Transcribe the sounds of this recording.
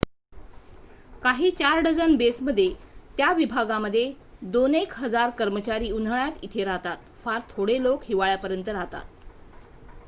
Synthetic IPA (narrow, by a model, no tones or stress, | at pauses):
kaɦiːt͡ɕaɾɖəd͡zənbesməd̪ʱːjet̪jaʋibʱaɡaməd̪ʱːje | d̪onekɦəd͡zaɾkəɾmət͡ɕaɾiːun̤əɭjat̪it̪ʰeɾaɦt̪at̪faɾt̪ʰoɽelokɦiʋaɭjapəɾjənt̪əɾaɦt̪a̰t̪̚